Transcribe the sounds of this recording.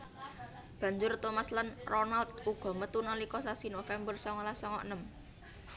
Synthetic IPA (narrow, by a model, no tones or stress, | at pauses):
b̥ä̤ɲd͡ʒʊrt̪omaslanronalt̪̚uɡ̥ɔ̤mət̪unalikɔsasinofɛmbərsɔŋɔlasɔŋɔ̰ʔnəm